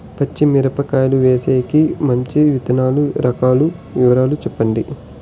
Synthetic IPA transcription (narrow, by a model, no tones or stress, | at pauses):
pɐt͡ʃːimiɾɐpɐkaːjɐluʋeːseːkimɐɲt͡ʃiʋit̪ɐnaːluɾʔɐkaːlu | ʋiʋɐɾaːlut͡ʃɛpːɐɳɖi